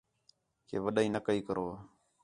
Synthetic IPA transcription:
kḛvəɗainakaikəɾʔoa

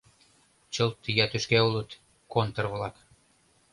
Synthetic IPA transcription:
t͡ɕɤlt̪ijɑt̪yʃkæulət̪ | kont̪ə̆rβlɑk

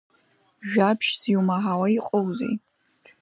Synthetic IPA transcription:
ʒᶣapʰʃz̥iwmaɦawaiqʼowzḭ

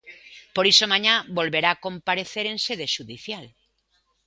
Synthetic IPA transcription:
poɾisomãɲabolβeɾaːkõmpaɾeθeɾẽnseðeʃuðiθjal

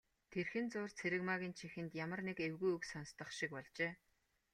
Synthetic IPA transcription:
t̪ʰerxɘ̆nt͡sʊːrt͡sʰeɾɘ̆kmaɣʲiːnt͡ɕʰixɘ̆nt̪jamə̆rnekewɣujɵksɔnst̪ə̆χʃik̚pɔɮt͡ɕeː

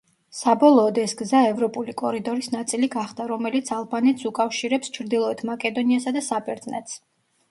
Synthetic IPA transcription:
sabɔlˠɔːd̪ɛsɡzaɛvɾɔpʼulikʼɔɾid̪ɔɾisnat̪sʼiliɡaχd̪aɾɔmɛlit̪sʰalˠbanɛt̪sukʼafʃiɾɛpst͡ʃʰɾd̪ilˠɔɛt̪ʰmakʼɛd̪ɔniasad̪asabɛɾd̪zʼnɛt̪s

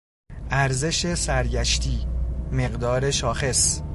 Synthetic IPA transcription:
ʔæɾze̞ʃe̞sæɾɟæʃt̪ʰiːme̞ɢd̪ɒːɾe̞ʃɒːxe̞s

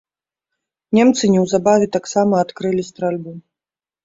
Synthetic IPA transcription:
nʲɛmt̪sɨnʲɛwzabavʲɛt̪aksamɐːt̪kɾɨlʲisʲt̪ɾalʲbu

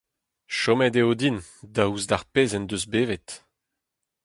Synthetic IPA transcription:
ʃɔmɛdeod̪indauzd̪aʁpeːzɛnd̪øzbeːvet̪

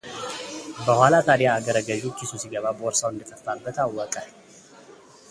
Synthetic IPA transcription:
bəhʷalat̪ʰad̪jaːɡəɾəɡəʒukːisusiɡəβabəɔɾsawɨnd̪ət̪ʰəft̪abːət̪awːɔkʼə

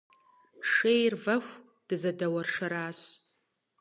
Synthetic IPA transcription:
ʂeːjrvɐxʷ | d̥ɨzɐdɐwɐrʂɐɾaːɕ

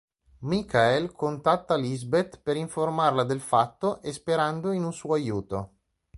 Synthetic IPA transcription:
mikaelkʰont̪at̪ːalizbet̪peɾiɱformarlad̪elfat̪ːoʔespeɾand̪oinunsuːoajuːt̪o

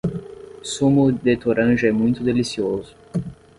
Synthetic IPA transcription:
sũmʊd̪et̪oɾʔɐ̃ʒɐɛmũj̃t̪ʊd̪elisiozʊ

